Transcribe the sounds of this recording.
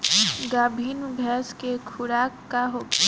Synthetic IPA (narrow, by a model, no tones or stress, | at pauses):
ɡaːbʱinbʱɛːskekʰʊɾaːkːaɦo